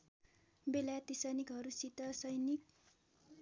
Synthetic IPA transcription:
belat̪isʌnikɦʌɾusit̪ʌsʌjnik̚

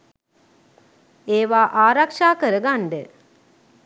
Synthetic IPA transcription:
eːʋaːʔaːɾakʂaːkəɾəɡanɖə

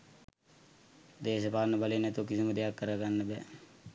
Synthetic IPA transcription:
d̪eːʃəpaːɾnəbalenɛt̪ukisiməd̪ejakːəɾəɡanːəbɛ

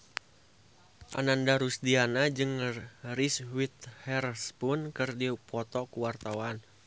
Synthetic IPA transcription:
ʔa̰nandaɾusdianad͡ʒɨŋriswit̪hɛrspʊnkɨrdiupʰɔt̪ɔkuwart̪awan

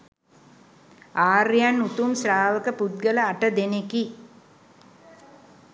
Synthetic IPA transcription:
aːrjanːut̪umsraːʋəkəpud̪̚ɡələaʈəd̪eneki

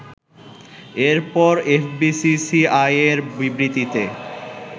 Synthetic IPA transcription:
eɾpɔɾefbisisiajeɾbibɾit̪it̪e

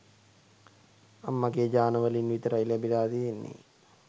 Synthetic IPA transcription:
amːaɡeːd͡ʒaːnəʋəlinʋit̪əɾailæbilaːt̪ijenːḛ

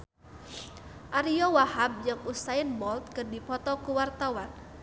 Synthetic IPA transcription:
ʔaɾiɔwahab̚d͡ʒɨŋusaɪnmɔlt̪̚kɨrdipɔt̪ɔkuwart̪awan

